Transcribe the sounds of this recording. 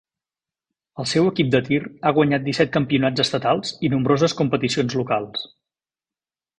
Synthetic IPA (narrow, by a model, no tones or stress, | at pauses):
əlˠsɛwəkip̚d̪ət̪iraɣ̞wəɲat̪̚d̪isɛt̪̚kəmpiunad͡zəst̪ət̪alˠzinumbɾozəskumpət̪isionzlukalˠs